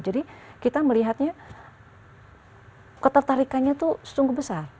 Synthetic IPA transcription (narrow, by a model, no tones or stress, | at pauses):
d͡ʒadikit̪aməliɦat̪̚ɲa | kət̪ərt̪aɾikanɲat̪usə̥suŋɡuhbəsar